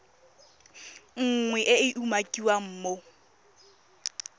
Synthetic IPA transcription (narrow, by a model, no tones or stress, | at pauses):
ŋ̩ŋwɛʔɪɪʔumakʼiwam̩ːmo